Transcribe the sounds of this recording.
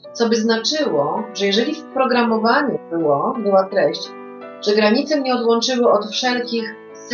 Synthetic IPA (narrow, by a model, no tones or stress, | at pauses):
t̪sɔbɘznat͡ʂɘwɔʐɛjɛʐɛlʲifpɾɔɡɾamɔvaɲɛbɘwɔbɘwat̪ɾɛɕt͡ɕ | ʐ̥ɛɡɾaɲit̪sɛmɲɛɔd̪wɔnt͡ʂɘwɘɔt̪fʂɛlkʲix